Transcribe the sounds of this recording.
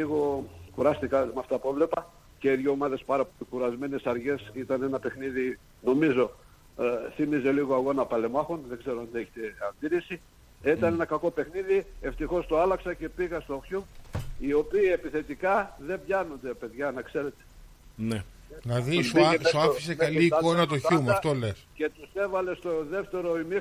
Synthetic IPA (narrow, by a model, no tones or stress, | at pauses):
iɣo̞kuɾɐst̪ikɐmɐft̪ɐpevle̞pɐ | ceiðʝoːmɐðe̞spɐɾɐpolikuɾɐzme̞ne̞sɐɾʝe̞sit̪ɐne̞nɐpe̞xniði | no̞mizo̞ | θimize̞liɣo̞ɐɣo̞nɐpɐle̞mɐxunðe̞ɡze̞ɾoɐnd̪ieçe̥t̪e̞ɐnd̪iɾisi | it̪ɐne̞nɐkɐko̞pe̞xniðie̞ft̪ixo̞st̪oɐlɐksɐce̞piɣɐst̪oçuio̞piːe̞piθe̞t̪ikɐðe̞mbʝɐnond̪e̞pe̞ðʝɐnɐkse̞ɾe̞t̪e̥ | ne | nɐðisoieoɐfisekɐliːko̞nɐt̪oçumɐft̪olesce̞t̪use̞vɐle̞st̪oðe̞ft̪e̞ɾo̞imi